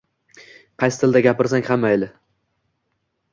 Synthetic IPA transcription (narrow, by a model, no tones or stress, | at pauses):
qʰɑjsɪ̥t̪ʰɪlʲd̪aɡʲapɪɾsaŋhamajlɪ